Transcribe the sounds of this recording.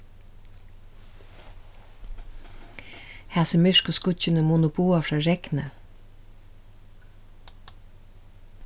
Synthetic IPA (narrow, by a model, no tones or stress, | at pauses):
hæːsəmɪʂkʊskʊt͡ʃːɪnəmuːnʊbuːafɾɑːɾɛknə